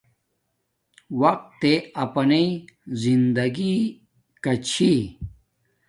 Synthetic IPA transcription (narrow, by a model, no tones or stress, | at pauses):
wɐq̚t̪ːeɐpɐnezind̪ɐɡi | kɐt͡ɕʰi